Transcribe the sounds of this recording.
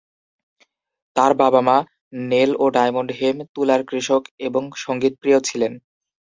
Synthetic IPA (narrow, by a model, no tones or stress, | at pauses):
t̪aɾbabama | neloɖajmoɳɖɦemt̪ulaɾkɾiʃokeboŋʃoŋɡit̪̚pɾijot͡ɕʰilen